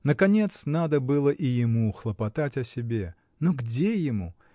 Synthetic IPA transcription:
nəkɐnʲe̞t̪snad̪əbɨlˠəʔɪjɪmuxlˠəpɐt̪atʲɐsʲɪbʲe | noɡdʲejɪmu

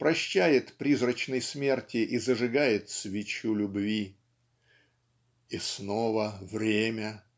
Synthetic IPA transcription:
pɾɐɕːæjɪt̪pɾʲizrət͡ɕnəjsmʲe̞rtʲɪʔizəʐɨɡajɪt̪svʲɪt͡ɕulʲʊbvʲi | isnovəvɾʲemʲə

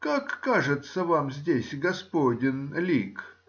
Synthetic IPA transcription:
kakːaʐɨt̪səvamzʲdʲesʲɡɐspodʲɪnlʲik

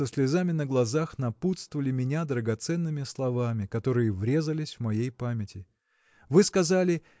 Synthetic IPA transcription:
əsʲlʲɪzamʲɪnəɡlˠɐzaxnɐput̪st̪əvəlʲɪmʲɪnʲad̪ɾəɡɐt̪sɛnːɨmʲɪslˠɐvamʲɪkɐt̪o̞ɾɨjəvɾʲe̞zəlʲɪsʲvmɐjejpamʲɪtʲɪ | vɨskɐzalʲɪ

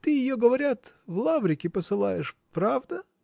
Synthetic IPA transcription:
t̪ɨjɪjoɡəvɐɾʲat̪vlˠavɾʲɪkʲɪpəsɨlˠa̰jɪʂpɾavd̪ə

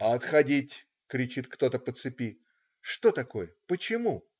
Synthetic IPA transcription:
ɐɐt̪xɐdʲitʲ | kɾʲɪt͡ɕit̪kt̪o̞t̪əpət̪sɨpʲi | ʂt̪o̞t̪ɐko̞jəpət͡ɕɪmu

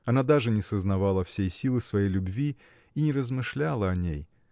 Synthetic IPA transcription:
ɐnad̪aʐɨnʲɪsəznɐvalˠəfsʲejsʲilˠɨsvɐjejlʲʊbvʲi | inʲɪɾəzmɨʂlʲalˠəɐnʲḛj

